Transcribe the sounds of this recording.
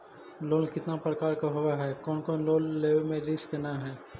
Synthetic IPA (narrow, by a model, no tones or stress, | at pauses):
loːnkɪt̪napɾəkaːɾkaɦoaɦɛːkɔːnkɔːnloːnːeːʋmẽɾɪskenaɦɛː